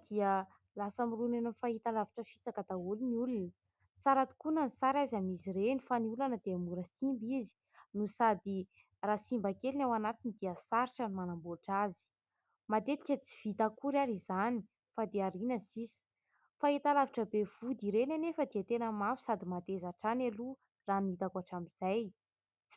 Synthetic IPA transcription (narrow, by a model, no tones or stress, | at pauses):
d̪̥iə | lasamirunenafaɦit̪alaviʈ͡ʂəfit͡sakad̪auliniulunə | t͡saɾat̪u̥kunənisaɾajzamizirenifaniulanəd̪eamuɾəsimbizi̥ | nusad̪i | rasimbakelinawanat̪inid̪iəsaɾiʈ͡ʂanimanamboʈ͡ʂazi̥ | mat̪et̪i̥kʲət͡si̥v̥it̪akuɾaɾizani̥ | fad̪eaɾinəsisi̥ | faet̪alaviʈ͡ʂəbev̥ud̪iɾenanefad̪iat̪enəmafu̥sad̪imat̪ezaʈ͡ʂanalu | ranuit̪akaʈ͡ʂamiz̥aj | t͡s